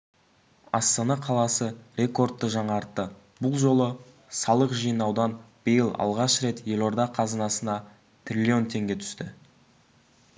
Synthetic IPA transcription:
ɑ̰st̪ɑnɑqʰɑlˠɑsərʲe̞ko̞rt̪ːəʒɑɴɑɾt̪ːə | bʊlˠʒo̞lˠə | sɑlˠəqʒijənɑwd̪ɑnb̥əjəlˠɑ̰lˠʁɑʃɾe̞t̪je̞lʲˠo̞ɾd̪ɑqʰɑzənɑsənɑ | t̪ʰrʲilʲio̞nt̪ʰe̞ŋɡʲe̞t̪ʰʏ̥st̪ɪ

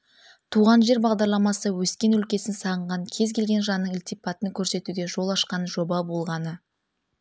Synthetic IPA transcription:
t̪ʰuʁɑnʒe̞ɾbɑʁd̪ɑɾlˠɑmɑsəwɵskʲe̞nʏlkʲe̞sɪnsɑʁəɴʁɑŋkʲʰe̞zkʲʰe̞lɡʲe̞nʒɑnːəɴɪlt̪ijpɑt̪əŋkʲʰɵɾse̞t̪uɡʲe̞ʒo̞lˠɑʃqɑnʒo̞bɑbo̞lˠʁɑnə

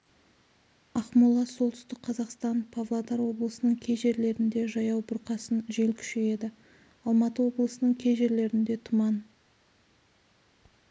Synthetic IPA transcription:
ɑχmulˠːɑso̞lˠt̪ʰʏ̥st̪ɪk̚qʰɑzɑqst̪ɑnpʰavlˠad̪ɑɾwo̞blˠəsənəɴkʲʰe̞jʒe̞ɾle̞ɾɪnd̪e̞ʒɑjɑwbʊɾqɑsənʒe̞lkʲʰʏ̥ʃe̞je̞d̪ɪ | ɑlˠmɑt̪əwo̞blˠəsənəɴkʲʰe̞jʒe̞ɾle̞ɾɪnd̪e̞t̪ʰʊmɑn

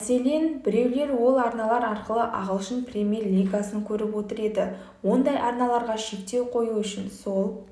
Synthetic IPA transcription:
se̞le̞nbɪɾe̞wle̞ɾwo̞lˠɑɾnɑlˠɑɾɑɾqəlˠəʔɑʁəlˠʃənprʲe̞mʲje̞rlʲiɡasəŋkʲʰɵɾɪpwo̞t̪əɾe̞d̪ɪ | wo̞nd̪ɑjʔɑɾnɑlˠɑɾʁɑʃe̞kt̪e̞wqʰo̞juʏʃɪnso̞lˠ

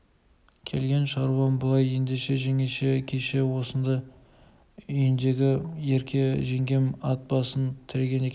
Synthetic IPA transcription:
kʲʰe̞̰lɡʲe̞nʃɑɾwɑmbəlˠɑje̞nd̪eʃe̞ʒe̞ŋeʃe̞kʲʰeʃe̞wo̞sənd̪ɑ | ʏjɪnd̪e̞ɡʲɪje̞ɾkʲʰe̞ʒe̞ŋɡʲe̞mɑt̪̚bɑsənt̪ʰɪɾe̞ɡʲe̞nekʲe

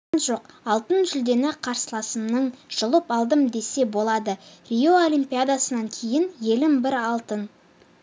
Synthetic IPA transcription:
nʒo̞qɑlˠt̪ənʒʏld̪e̞nɪqʰɑɾsəlˠɑsəmnəɴʒ̥əlˠəpɑlˠd̪əmd̪e̞se̞bo̞lˠɑd̪ərʲijo̞olʲimpʲijad̪asənɑŋkʲʰe̞jɪnje̞lɪmbɪɾɑlˠt̪ən

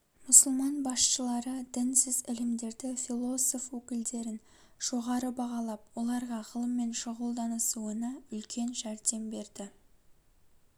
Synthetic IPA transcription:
mʊsəlˠmɑnbɑsʃəlˠɑɾəd̪ɪnsɪzɪlɪmd̪e̞ɾd̪ɪfilˠo̞so̞fwɵkʲɪld̪e̞ɾɪn | ʒ̥o̞ʁɑɾəbɑʁɑlˠɑp̚wo̞lˠɑɾʁɑʁəlˠəmːe̞nʃəʁəlˠd̪ɑnəsuənɑʏlkʲʰe̞nʒæɾd̪e̞mbe̞ɾd̪ɪ

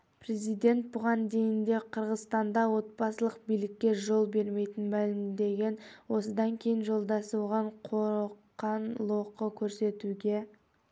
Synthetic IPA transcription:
pre̞zijd̪e̞nt̪̚bʊʁɑnd̪e̞jɪnd̪e̞qʰəɾʁəzst̪ɑnd̪ɑwo̞t̪̚bɑsəlˠəq̚bijlɪkʲːe̞ʒo̞lˠbe̞ɾme̞jt̪ɪnmælɪmd̪e̞ɡʲe̞nwo̞səd̪ɑŋkʲʰe̞jɪnʒo̞lˠd̪ɑsuwʁɑɴqʰoɾqːɑnlˠoqəkʲʰɵɾse̞t̪uɡʲe̞

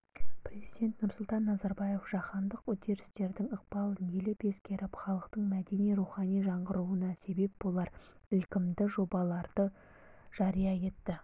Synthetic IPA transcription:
prʲe̞zijd̪e̞nt̪nʊɾsʊlˠt̪ɑnːɑzɑɾbɑje̞fʒ̥ɑχɑnd̪əqwʊd̪e̞ɾɪst̪e̞ɾd̪ɪŋəq̚bɑlˠənjelɪpe̞skʲe̞ɾɪpχɑlˠəqt̪əɴmæd̪e̞nijɾuχɑnijʒɑɴʁəɾuənɑse̞be̞p̚bolˠɑɾ | ʏlkʲɪmd̪ɪʒo̞bɑlˠɑɾd̪̥ə | ʒ̥ɑɾijɑje̞t̪ːɪ

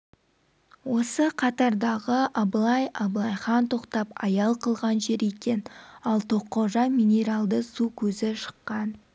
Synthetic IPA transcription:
wo̞səqʰɑt̪ɑɾd̪ɑʁəʔɑblˠɑjɑblˠɑjχɑnt̪ʰo̞qt̪ɑpɑjɑlˠqʰəlˠʁɑnʒe̞ɾekʲe̞nɑlˠt̪ʰo̞qːɑʒɑminʲe̞ɾɑlˠd̪əsukʲʰɵzɪʃə̥qːɑn

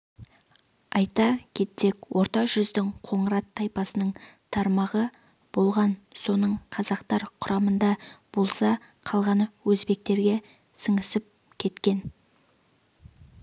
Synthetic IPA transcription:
ɑjt̪ɑkʲʰe̞t̪ːe̞kwo̞ɾt̪ɑʒʏzd̪ɪŋqʰo̞ɴəɾɑt̪ʰːɑjpɑsənəɴt̪ʰɑɾmɑʁə | b̥o̞lˠʁɑnso̞nəɴqʰɑzɑqt̪ɑɾqʰʊɾɑmənd̪ɑb̥o̞lˠsɑ | qʰɑlˠʁɑnəwɵzbe̞k̚t̪e̞ɾɡʲe̞ | səɴəsɪp̚ | kʲʰe̞t̪kʲe̞n

